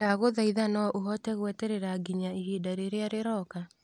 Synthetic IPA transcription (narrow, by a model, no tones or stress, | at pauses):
aɣoðaiðanɔʔoɦɔtɛɣwɛtɛɾeɾaɡiɲaiɦidaɾeɾeaɾeɾɔka